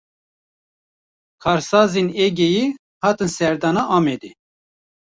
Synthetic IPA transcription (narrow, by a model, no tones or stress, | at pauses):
kʰɑːɾsɑːzenɛɡʲejiː | hɑːt̪ɨnsɛɾd̪ɑːnɑʔɑːmed̪i